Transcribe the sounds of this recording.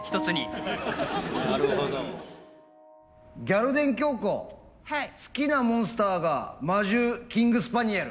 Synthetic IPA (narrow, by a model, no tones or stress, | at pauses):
çi̥t̪o̞t͡sɨɲi | aɾo | ɡʲaɾɯ̟d̪ẽ̞ŋk̬ʲo̞ːko̰ | sɨ̥kʲinamõɰ̃sɨ̥t̪aːɡamaʑɨːkʲĩŋɡɯ̟sɨ̥paɲ̟iaɾɯ̟